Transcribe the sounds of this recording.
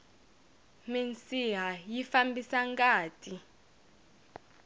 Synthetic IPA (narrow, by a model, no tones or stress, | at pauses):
ment͡siɦajifambisaŋkʼaːtʼi